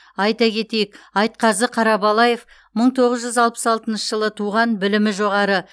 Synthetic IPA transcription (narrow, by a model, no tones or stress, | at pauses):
ɑjt̪ɑkʲʰe̞t̪e̞jɪkɑjt̪̚qɑzəqʰɑɾɑbɑlˠɑje̞f | məɴt̪ʰo̞ʁəzʒʏzɑlˠpə̥sɑlˠt̪ənʃəʒəlˠət̪ʰuʁɑnbɪlɪmɪʒo̞ʁɑɾə